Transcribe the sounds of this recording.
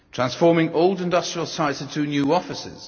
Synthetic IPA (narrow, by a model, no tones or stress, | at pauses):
tʰɹ̥ãnsfɔːmɪ̃ŋoʊlˠdɪ̃ndʌstɹ̥iəlˠsaɪtsɪ̃ntʰənjʉːɒfɪsɪ̰z̥